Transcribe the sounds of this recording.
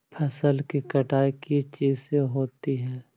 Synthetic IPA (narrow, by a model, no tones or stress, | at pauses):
pʰɐsəlkikɐʈaːikit͡ʃiːzseɦoːt̪iɦɛː